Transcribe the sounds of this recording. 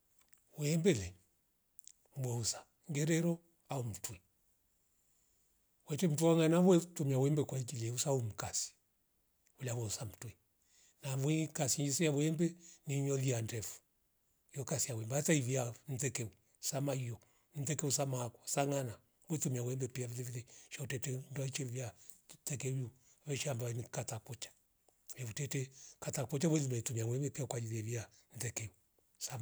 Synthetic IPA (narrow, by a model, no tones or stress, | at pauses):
wwɛmbɛlɛ | wɛusḁ | ŋɡɛɾɛɾɔ | aum̩twɛ | wɛt͡ʃɛm̩tuwaŋanaβwɛtumiawɛmbɛkwaikilɛusaum̩kasi̥ | ulawɛusam̩twɛ | naβuikasiɲisɛjawuɛmbɛniɲɔliandɛfu̥ | jɔkasijaβwɛmbɛataivian̩tɛkɛu | samaiɔ | n̩tɛkɛusamaːkwɔ̥saŋana | mwɛtumiawɛmbɛpiavilɛvilɛʃautɛtɛndwait͡ʃɛvjatɛkɛuju | βɛʃiambaɛnikatakɔt͡ʃḁ | ɛfutɛtɛkatakɔt͡ʃawɛlumɛtumiawɛmbɛpiakwad͡ʒiðavian̩tɛkɛu | sa